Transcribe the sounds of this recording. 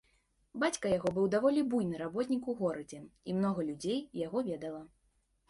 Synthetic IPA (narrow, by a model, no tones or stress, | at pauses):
bat͡sʲkɐjaɣɔbɨwd̪avɔlʲibujnɨɾabɔt̪ʲnʲikuɣɔɾɐd͡zʲɛḭmnɔɣɐlʲud͡zʲejːaɣɔvʲɛd̪ɐlˠɐ